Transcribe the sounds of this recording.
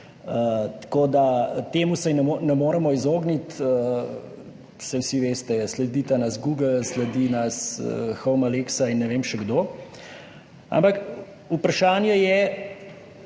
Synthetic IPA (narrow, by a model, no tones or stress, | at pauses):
ət̪koːd̪at̪eːmusajnɛnɛmoːɾɛmɔizoːɡnit̪ə | sɛwsiʋeːst̪ɛslɛd̪iːt̪anasɡuːɡəlslɛd̪inasxɔwmaleksainːɛʋeːmʃɛɡd̪oː | a̰mpak | upɾaʃaːnjɛjɛ